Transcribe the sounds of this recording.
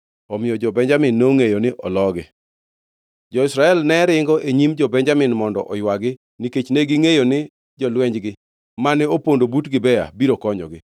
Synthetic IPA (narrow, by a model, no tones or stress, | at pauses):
ɔmɪjɔd͡ʒɔbɛɲd͡ʒamɪnːeoŋejonɪʔɔlɔɡɪ̰ | d͡ʒɔɪsɾaɛlnɛɾɪŋɡɔʔeɲimd͡ʒɔbɛɲd͡ʒamɪnmɔndɔʔɔjwaɡɪ | niket͡ʃneɡɪŋejonɪ | d͡ʒɔlwɛɲd͡ʒɡɪ | manɛopondobutɡɪbɛja̰biɾokɔɲɔ̰ɡɪ